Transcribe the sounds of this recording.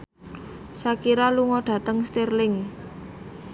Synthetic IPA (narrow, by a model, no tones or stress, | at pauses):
sakiɾaluŋɔɖ̥ä̤t̪əŋst̪erlɪŋ